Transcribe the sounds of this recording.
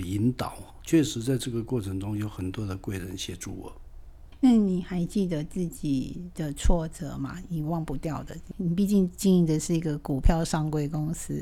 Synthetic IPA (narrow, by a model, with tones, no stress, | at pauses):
i˧˦nt̪ɑ̰˨˩˦ʊ | t͡ɕʰɥɛ˥˩ʂɻ̩˧˥t͡sa˥˧ɪʈ͡ʂɤ˥˩ɡə˩kwɔ˥˩ʈ͡ʂʰə˧˥ŋʈ͡ʂʊ˥ŋjo˧˥ʊxə˨˩nt̪wɔ˥d̪ə˨kwe˥˩ɪɻə˧˦nɕjɛ˨˥˦ʈ͡ʂu˥˩wɔ̰˨˩˦ | na˥˩ni˨˩xa˧˥ɪt͡ɕi˥˩d̪ə˨t͡sɹ̩˥˩t͡ɕi˨˩d̪̥ə˨t͡sʰwɔ˥˩t͡sɤ̰˨˩ma̰˨i˨˩wɑ˥˧ŋpu˧˥t̪jɑ˥˩ʊd̪ə˩ni˨˩p̬i˥˧t͡ɕi˥˧ŋt͡ɕi˥˧ŋi˧˥˩d̪ə˨ʂɻ̩˥˩i˧˥ɡə˧ku˨˩pʰjɑ˥˧ʊʂɑ˥˧ŋkwe˥˩ɪkʊ˥ŋsɹ̩˦˥